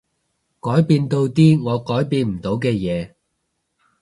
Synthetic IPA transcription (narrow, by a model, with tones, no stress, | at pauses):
kɔː˨˥jpiː˧nt̪o˧wt̪iː˥ŋɔː˨˧kɔː˨˥jpiː˧nm̩˨˩t̪o˨˥wkɛː˧jɛː˨˧